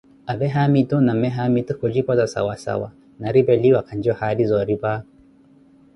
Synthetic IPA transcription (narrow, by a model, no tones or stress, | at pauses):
aβɛɦamitunamɛɦamitukɔd͡ʒipɔzasa̰wasa̰wa̰ | naɾibɛliwakand͡ʒɔhaɾizɔɾiba